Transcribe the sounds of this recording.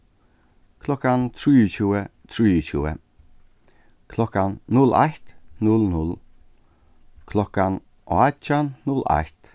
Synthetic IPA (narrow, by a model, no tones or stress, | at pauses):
kʰlɔkant̪ʰɾiːt͡ɕuːət̪ʰɾiːt͡ɕuə̰ | kʰlɔkanːʊla̰ht̪nʊlnʊl | kʰlɔkan | ʔɔ̰at͡ʃanːʊla̰ht̪